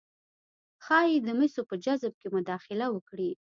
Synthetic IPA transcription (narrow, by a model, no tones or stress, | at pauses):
xɑjed̪əmɪsopəd͡ʒazb̚kemʊd̪ɑxɪlawəkɽi